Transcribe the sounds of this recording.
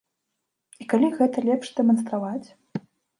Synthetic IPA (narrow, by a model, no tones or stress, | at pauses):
ikalʲiɣɛt̪ɐlʲɛpʂd̪ɛmɐnst̪ɾavat͡sʲ